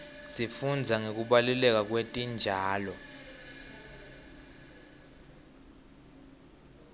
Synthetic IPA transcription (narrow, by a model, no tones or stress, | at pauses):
sifund͡zʱaŋek̬uɓalulɛk̬ʼak̬wetʼind͡ʒʱaːlɔ